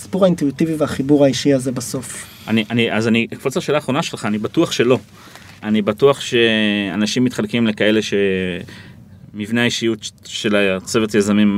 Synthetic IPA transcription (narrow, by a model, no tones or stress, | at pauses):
si̥puʁaintuitiviveaχibuʁaiʃiazebaso̞f | aniʔaniazanikfot͡saʃe̞ːlaːχʁo̞naʃe̞lχaːnibatuaχʃe̞lo̞ | anibatuaχʃe̞anaʃimːitχalkimle̞kae̞le̞ʃe̞ | mivneaiʃijutʃe̞lat͡se̞vetjazamim